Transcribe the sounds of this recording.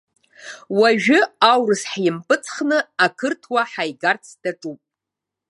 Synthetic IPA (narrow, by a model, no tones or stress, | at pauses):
waʒᶣʏawrɨsħjɪmpʼɨt͡sʰχnɨakʰɨrtʰwaħajɡart͡sʰd̥aʈ͡ʂʼupʼ